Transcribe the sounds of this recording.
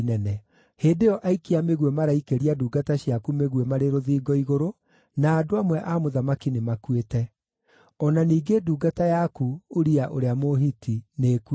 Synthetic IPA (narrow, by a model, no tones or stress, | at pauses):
nɛnɛ | heːdeɔʔaikiameɣwemaɾaikeɾiaduːɡataɕjakumeɣwemaɾeɾoðiːɡɔiɣoɾo | naːdoamwɛʔamoðamakinemakwetɛ | ɔnaniːɡeduːɡatajakuoɾiaʔoɾeamoɦitʰineːk